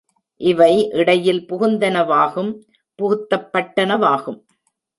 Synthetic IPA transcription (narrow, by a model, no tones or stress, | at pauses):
ʔɪʋɐɪʔɪɽɐjɪlpʊɣʊnd̪ɐnɐʋaːɣɯm | pʊɣʊt̪ːɐpːɐʈːɐnɐʋaːɣɯm